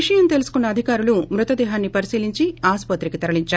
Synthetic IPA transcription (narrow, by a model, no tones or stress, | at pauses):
iʂɐjɐnt̪e̞lusu̥kunːɐɐd̪ʱikaːɾulumɾut̪ɐd̪ɛːɦaːnːipɐɾisiːliɲt͡ʃiaːspɐt̪ɾikit̪ɐɾɐliɲt͡ʃaː